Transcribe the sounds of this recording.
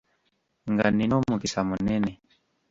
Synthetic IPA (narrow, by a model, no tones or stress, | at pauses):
ŋɡaninɔmukisamunɛnɛ